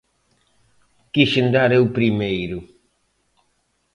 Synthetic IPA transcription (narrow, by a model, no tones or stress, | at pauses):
kiʃend̪aɾewpɾimejɾʊ